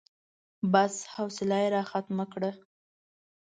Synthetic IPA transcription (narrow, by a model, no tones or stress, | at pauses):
bashawsɪlɑjeɾɑxat̪makɽə